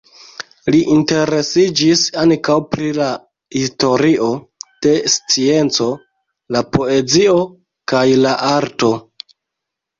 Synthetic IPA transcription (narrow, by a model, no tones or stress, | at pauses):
liʔinte̞ɾe̞sid͡ʒisaŋkawpɾila | histo̞ɾiʔo̞ | d̥e̞st͡sie̞nt͡so̞ | lapo̞e̞d͡zio̞ | kajlaʔaɾto̞